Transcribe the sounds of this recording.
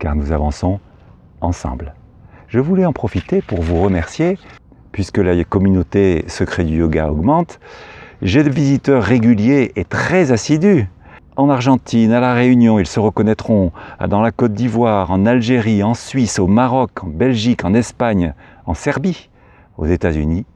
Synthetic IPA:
ka̰ʁnuzavɑ̃sɔ̃ | ɑ̃sɑ̰̃bl | ʒəvulɛɑ̃pχɔfit̪epuʁvuʁəmɛʁsje | pɥiskəlakɔmynot̪esəkχed̪yjɔɡa̰ɔ̰ɡmɑ̃t̪ | ʒed̪əvizit̪œʁːeɡʲyljeʔet̪χɛzasid̪y | ɑ̃naʁʒɑ̃t̪inalaʁeynjɔ̃ilsəʁəkɔnɛt̪χɔ̃d̪ɑ̃lakɔt̪̚d̪ivwaʁɑ̃nalʒeʁiɑ̃sɥisomaʁɔkɑ̃bɛlʒikɑ̃nɛspaɲ | ɑ̃sɛʁbi | o̰zet̪azy̰ni

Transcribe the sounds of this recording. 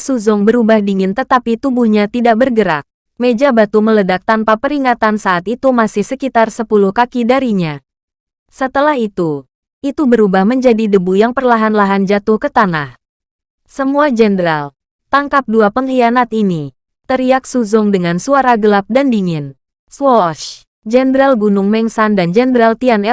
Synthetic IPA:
suzʊŋbəɾubahdiŋɪnt̪ət̪apit̪ubuhɲat̪idak̚bərɡəɾa̰k̚ | med͡ʒabat̪umələdak̚t̪anpapəɾiŋat̪ansaʔːt̪it̪umasɪhsəkit̪arsəpuluhkakidaɾiɲa | sət̪əlahit̪u | it̪ubəɾubahməɲd͡ʒadidəbujaŋpərlaɦanlaɦand͡ʒat̪ʊhkət̪anah | səmuad͡ʒɛndɾal | t̪aŋkap̚duapəŋlianat̪ini | t̪əɾiak̚suzʊŋdəŋansuaɾaɡəlap̚dandiŋɪn | swɔʃ | d͡ʒɛndɾalɡunʊŋmɛŋsandand͡ʒɛndɾalt̪ianɛ

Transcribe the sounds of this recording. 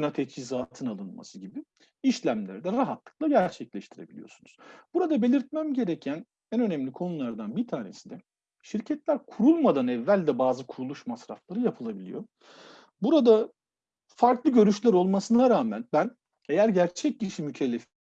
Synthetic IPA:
nat̪ʰɛt͡ʃizaːt̪ʰɯnalˠɯnma̰sɯɟibi | iʃlʲæmlʲæ̰ɾd̪ɛɾaɦat̪lˠɯ̥klˠaɟæɾt͡ʃʰɛclʲɛʃt̪ʰiɾebilʲḭjo̞̰sunuz̥b̥uɾad̪abe̞lʲiɾt̪̚mæmɟe̞ɾɛcʰæn | ænø̞nɛmlʲikʰo̞nulˠaɾd̪anbiɾt̪ʰaːne̞̰sid̪ɛ | ʃiɾcʰɛt̪lʲæɾkʰuɾulˠmad̪anɛvːælʲd̪ɛbaːzɯkʰuɾulˠuʃmasɾa̰flˠaɾɯjapʰɯlˠabilʲijo̞̰ | buɾad̪a | faɾklˠɯɟø̞ɾyʃlʲæɾo̞lˠmasɯnaɾaːmænbæn | e̞jæɾɟæɾt͡ʃʰɛc̚ciʃimycʰɛlʲːef

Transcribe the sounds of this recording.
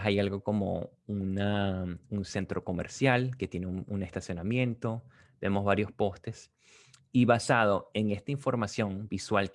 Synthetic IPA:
ajalɣo̞ko̞mo̰ | unaunse̞nt̪ɾo̞ko̞me̞̰ɾsjalke̞t̪je̞neune̞st̪asjo̞namjẽ̞nt̪o̞ | b̥e̞mo̞zβaɾjo̞spo̞st̪e̞s | iβasað̞o̞e̞ŋe̞st̪aiɱfo̞ɾmasjo̞ŋbiswalk

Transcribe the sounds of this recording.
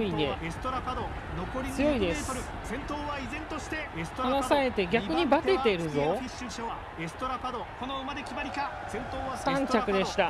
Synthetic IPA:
inest̪oɾapad̪o | nokoɾʲit͡sɨjo̞id̪e̞ss | sẽnt̪oːβaizẽ̞nt̪o̞ɕi̥t̪e̞st̪anasae̞t̪e̞ɡʲaɯ̟ɲ̟ibat̪e̞t̪e̞ɾɯ̟zo̞ | sɨ̥t̪oɾapad̪okonoɯmad̪ekʲibaɾʲika | sẽnt̪oːasãɲ̟t͡ɕʲakɯ̟d̪e̞ɕi̥t̪a

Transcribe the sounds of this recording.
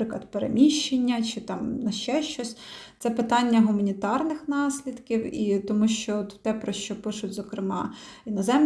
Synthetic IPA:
ɪklˠɐd̪peɾḛmʲiʃt͡ʃːenʲːɐt͡ʃɪt̪ɑmnɐʃt͡ʃɛʃt͡ʃɔsʲt̪sɛpɪt̪ɑnʲːɐɦʊmɐnʲit̪ɑrnɪxnɑsʲlʲid̪kʲiwit̪ɔmuʃt͡ʃɔɔt̪wt̪ɛpɾɔʃt͡ʃɔpɪʃʊtʲzɔkɾɪmɑinɔzɛm

